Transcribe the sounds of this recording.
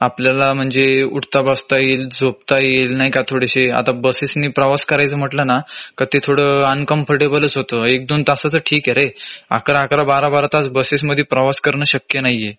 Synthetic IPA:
apljalam̤əɳd͡zeṵɽt̪abəst̪ajeld͡zʱop̚t̪ajelnajkat̪ʰoɽeɕea̰t̪abəsesniːpɾəʋaskəɾajt͡səm̤əʈlənakət̪et̪ʰoɽəənkəmpʰəɾʈebələt͡sɦot̪əːek̚d̪ont̪asəːt͡səʈʰiːkɛɾea̰kɾaakɾabaɾabaɾat̪at͡sbəses̬məd̪ʱːjepɾəʋaskəɾɳəːɕəkjənajːe

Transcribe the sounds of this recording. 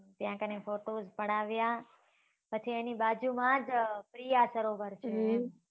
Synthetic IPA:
t̪jãkənefoʈozpəɽ̃aʋja | pət͡ʃʰienibad͡ʒumãd͡ʒpɾijasəɾoʋəɾt͡ʃʰe

